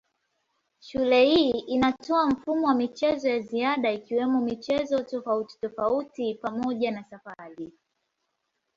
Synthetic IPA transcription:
ʃulɛhiːʔinatɔam̩fumɔwamit͡ʃɛzɔjaziaɗaikiwɛmɔmit͡ʃɛzɔtɔfauti̥tɔfautipamɔʄanasafaɾi

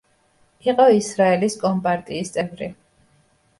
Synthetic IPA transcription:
iqʼɔisɾaɛliskʼɔmpʼaɾt̪ʼiːst̪sʼɛvɾi

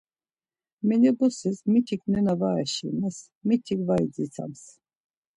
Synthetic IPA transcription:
mɛnɛbɔsismit̪ʰiknɛnavaɛʃḭnɛs | mit̪ʰikvaid͡zit͡sʰa̰ms

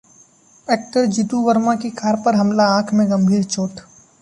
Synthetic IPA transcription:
ɛːk̚ʈəɾd͡ʒit̪uʋəɾmakikʰaːɾpəɾɦɐmlaãːkʰmẽɡɐ̃mbʱiːɾt͡ʃoːʈ

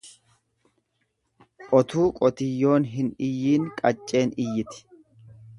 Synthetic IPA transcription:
ɔt̪uːkʼɔt̪ɪjːo̞ːnɦɪnɪjːiːnkʼɐt͡ʃʼːe̞ːnɪjːɪt̪ɪ̥

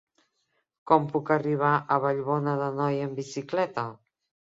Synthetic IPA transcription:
kɔmpukəriβ̞aʔəβəʎβonəðənɔjəmbisiklɛt̪ə

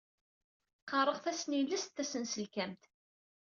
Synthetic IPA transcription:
qɑrˤəʁθæsnilːæst̪ːæsənsəlkæmt̪

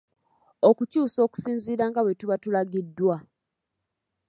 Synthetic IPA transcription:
okucuːso̞ːku̥siːnziːɾaŋɡawe̞tuβatulaɡidːwa

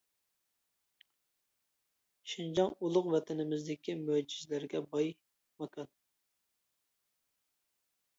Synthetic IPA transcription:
ʃind͡ʒɑŋulˠʊqvɛt̪ʰɪnɪmɪzd̪ɪkʲʰimød͡ʒizlɪɾɡʲɛbɑj | mɑkʰɑn

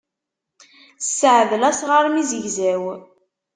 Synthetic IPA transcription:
sːəʕðəlæsʁəɾmizəʝzæw

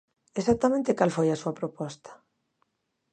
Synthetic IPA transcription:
esak̚t̪amẽnt̪ekalfojɐsuɐpɾopɔst̪ḁ

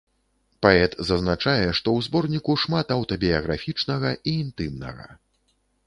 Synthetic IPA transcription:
paɛt̪zɐznat͡ʂajɛʂt̪ɔwzbɔrnʲikuʂmat̪ɐwt̪ɐbʲijɐɣɾafʲit͡ʂnɐɣɐʔiːnt̪ɨmnɐ̰ɣɐ̰

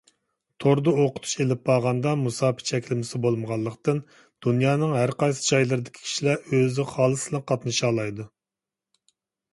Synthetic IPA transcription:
t̪ʰoɾd̪ɨoqʰʊ̥t̪ʰu̥ʃelɪp̚bɑʁɑnd̪ɑmusɑːpʰɪ̥t͡ʃʰɛkʲlɪmɪsɪbolˠməʁɑlˠːəqt̪ɨn | d̪̥unjɑːnɨŋɦæɾqɑjsɨ̥d͡ʒɑjlˠɨɾɨd̪ɪkʲʰi̥kʲʰi̥ʃilæɾøzɪχɑːlˠɨsɨlˠɨqʰɑt̪nɨʃɑːlˠɑjd̪u

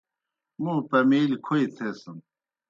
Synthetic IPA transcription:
muːpɐmiːlkʰojt̪ʰesɨm

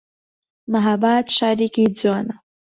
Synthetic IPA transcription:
maɦabat̪ʃaɾikid͡zana

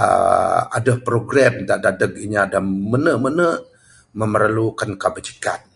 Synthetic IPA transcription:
ə̰a̰dəhpɾoɡɾɛmt̪aʔdadək̚iɲaadəmənəʔmənəʔ | məməɾlukankabəd͡ʒi̥ka̰t̪̚

